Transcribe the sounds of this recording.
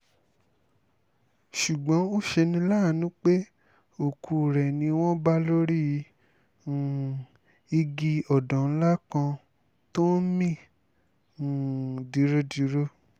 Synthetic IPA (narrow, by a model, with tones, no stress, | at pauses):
ʃu˨ɡ͡bɔ̃˨˦o˦ʃe˧nĩ˧la˦˨nũ˦k͡pe˦ | o˨kʰu˨ɾɛ˨nĩ˧w̃ɔ̃˦ba˦lo˦ɾi˦˧˨ | i˧ɡi˧ɔ˨dɔ̃˨n̩˦la˦kã˧ | to˦n̩˦mĩ˦˨ | di˨˦ɾo˦di˨˦ɾo˦